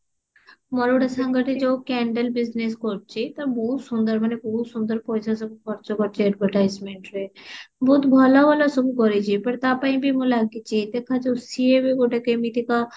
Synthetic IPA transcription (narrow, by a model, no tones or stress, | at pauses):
mɔɾoɽasəŋɡəʈid͡ʒokɛɳɖəlbizneskɔɾt͡ʃʰit̪ɐɾbɔɦut̪sund̪əɾmanebɔɦut̪sund̪əɾpɔjsʰasɔbukʰɔɾt͡ʃɔkɔɾt͡ʃʰiɛɖbʱəɾʈajzmeɳʈɾebʱɔt̪bʱɔlabɔlosɔbukɔɾit͡ʃʰipɐɾt̪apaĩbʱimũlaɡit͡ʃʰid̪ekʰad͡ʒosiebeɡoʈakemit̪ika